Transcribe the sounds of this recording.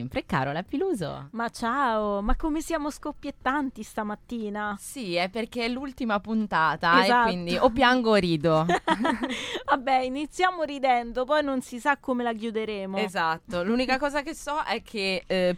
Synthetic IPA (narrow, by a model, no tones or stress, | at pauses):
ɛmpɾekːa̰ːɾolɛpːiluːzo̰mat͡ʃaːomakːomesjaːmoskopːjet̪ːant̪ist̪amat̪ːiːnasiɛpːerkeɛlːult̪imapunt̪aːt̪azakwind̪iopːjaŋɡoɾiːd̪o | vabːɛinit̪sːjaːmoɾid̪ɛnd̪opɔjnonsisakːomelak̬jud̪eɾeːmoezat̪ːoluːnikakɔːzakesːɔʔɛkʰːe